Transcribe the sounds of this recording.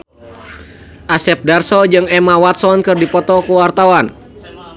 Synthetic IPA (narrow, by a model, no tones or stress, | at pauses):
ʔasɛp̚darsɔd͡ʒɨŋɛmawat̪sɔnkɨrdipɔt̪ɔkuwart̪awan